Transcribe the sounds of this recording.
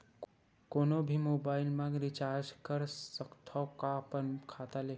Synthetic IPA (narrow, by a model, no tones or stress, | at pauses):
konobʱimobailmãɡɾit͡ʃaɾd͡ʒkəɾsəkt̪ʰɔkapənkʰat̪ale